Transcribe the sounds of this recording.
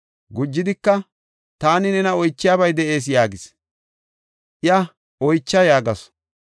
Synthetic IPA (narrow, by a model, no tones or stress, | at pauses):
ɡʊd͡ʒːɪd̪ɪkːɐ | t̪aːnɪnɛnɐɔjt͡ʃːɪjaːbɐjd̪ɛʔe̞ːs̬jaːɡɪs | ʔɪjɐ | ʔɔjt͡ʃːɐjaːɡɐs